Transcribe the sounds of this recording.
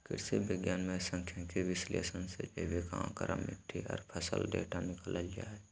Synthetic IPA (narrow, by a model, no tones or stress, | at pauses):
kɪ̰ɾsebɪɡjaːnmẽsə̃ŋkʰjãkeʋɪslḛːsənsed͡ʒeːʋekãkəɾʔə̰mːɪ̰ʈ̪ʰːiɔ̰ːɾpʰəsə̰ldḛːʈʰanɪkəlalɪja̰ɦɛː